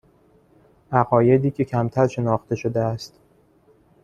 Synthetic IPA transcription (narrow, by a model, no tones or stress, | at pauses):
ʔæɣɒːje̞d̪iːcʰe̞cʰæmt̪ʰæɾʃe̞nɒːxt̪e̞ʃo̞d̪eæst̪